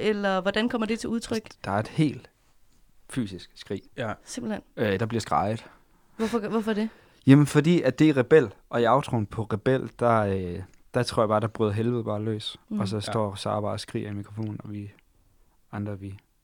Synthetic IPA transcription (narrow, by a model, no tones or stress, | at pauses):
elɐʋɒd̥ænkʰɒ̽m̰ɐd̥e̝t͡sʰe̝uð̞ˠt͡sʰʁœɡ̥d̥ɑ̈æɐe̝d̥he̝̰ːld̥ | fy̰ːsisɡ̥sɡ̥ʁḭːsemb̥l̩henød̥ɑ̈b̥liɐsɡ̥ʁɑ̈ɪð̩ˠ | ɔfɒʋɔfɒd̥e̝ | jæmnfɒ̽d̥ḭːæd̥e̝ʁɛb̥el̰ʔɒ̽iɑ̈ʊt͡sʰʁon̩pʰɒ̽ʁɛb̥el̰d̥ɑ̈ø | d̥ɑ̈t͡sʰʁo̝ɐ̰jɑ̈b̥ɑ̈ːɾ̥ɑ̈b̥ʁy̰ːðˠɐɦelʋð̩ˠb̥ɑ̈ːlø̰ːsɒ̽sɒ̽sd̥ɒ̰ːsɑ̰ːb̥ɑ̈ːsɡ̥ʁḭːɐimikʰʁofo̝̰ːnn̩ɒʋi | ɑ̈nd̥ʁɐʋi